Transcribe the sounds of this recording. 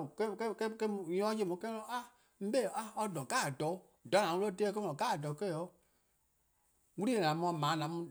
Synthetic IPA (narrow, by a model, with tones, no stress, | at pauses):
ke˦kɛ˦kɛ˦kɛ˦˨jɔ̃˦je˦˨mũ˨˦kɛ˦nɔ̃˦a˦ | m̩˦be˦˨a˦ɔ˧dɔ̃˨ɡa˦˨dɔ˨˦ | dɔ˨˦nã˨˦wu˦lo˦te˦k̬e˦ɔ̃˨ɡa˦˨dɔ˨˦kɛ˦˨ɔ˨˦ | wu˦ɾi˦e˨nã˨˦mɔ̃˧˦mãː˨˦nã˨˦mũ˧˦